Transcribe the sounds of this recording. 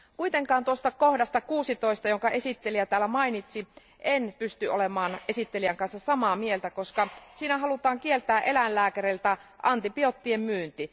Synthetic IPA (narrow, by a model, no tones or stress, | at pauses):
kuit̪eŋkɑːnt̪uost̪ɑkohdɑst̪ɑkuːsit̪oist̪ɑjoŋkɑʔe̞sit̪ːeliæt̪æːlːæmɑinit̪si | ʔenpyst̪yʔolemɑːnesit̪ːeliæŋkɑnsːɑsɑmɑːmielt̪ækoskɑsiːnæɦɑlut̪ɑːŋkielt̪æːʔelænlæːkæɾelt̪æʔɑnt̪ipiot̪ːiemmyːnt̪i